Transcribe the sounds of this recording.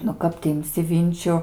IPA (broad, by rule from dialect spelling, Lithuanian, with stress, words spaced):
nʊ ˈkɐp tʲɪ ɪmʲˈsʲɪ ˈʋʲɪnʲt͡ʃʲʊ